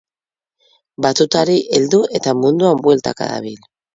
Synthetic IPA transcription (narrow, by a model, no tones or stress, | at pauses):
bat͡s̪ut̪aɾiʔeld̪uet̪amũnd̪uambwe̞lt̪a̰ka̰ða̰β̞il